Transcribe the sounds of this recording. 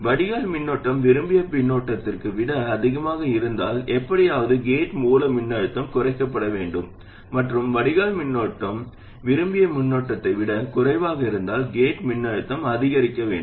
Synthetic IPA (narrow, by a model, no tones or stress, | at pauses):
ʋɐɽɪɣaːlmɪnːoːʈːɐmʋɪɾɯmbɪjɐpɪɳːoːʈːɐt̪ːɪrkɯʋɪɽɐɐðɪɣɐmaːɣɐɪɾɯnd̪aːlɛpːɐɽɪjaːʋɐðɯɡeːʈmuːlɐmɪnːɐɻɯt̪ːɐmkʊrɐɪkːɐpːɐɽɐʋeːɳɖɯmː | ɐʈrɯmʋɐɽɪɣaːlmɪnːoːʈːɐm | ʋɪɾɯmbɪjɐmʊnːoːʈːɐt̪ːɐɪʋɪɽɐkʊrɐɪʋaːɣɐɪɾɯnd̪aːlɡeːʈmɪnːɐɻɯt̪ːɐmɐðɪɣɐɾɪkːɐʋḛːɳ